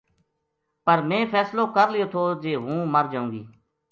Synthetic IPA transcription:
pəɾmɛ̃ːpʰɛːsloːkəɾlɪjoːt̪ʰoːd͡ʒeːɦũːməɾd͡ʒaːũːɡḭː

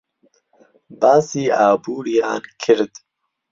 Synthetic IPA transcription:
baːsiːaːbuːɾijɑːnkʰɪɾd̪

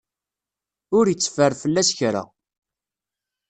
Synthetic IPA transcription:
ʊɾjət͡sːə̥fəɾfəlːæsçɾa̰

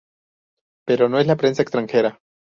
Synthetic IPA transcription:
pe̞ɾo̞noe̞slapɾe̞nsaekst̪ɾaŋxe̞ɾa

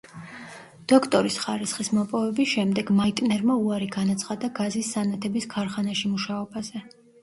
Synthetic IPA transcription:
d̪̥ɔkʰt̪ʼɔɾisχaɾisχismɔpʼɔvɛbisʃɛmd̪ɛɡmait̪ʼnɛɾmauaɾiɡanat̪sʰχad̪aɡazisːanat̪ʰɛbiskʰaɾχanaʃimuʃaɔbazɛ

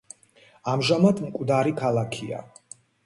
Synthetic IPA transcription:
amʒamat̪ʰmkʼd̪aɾikʰalˠakʰia̰

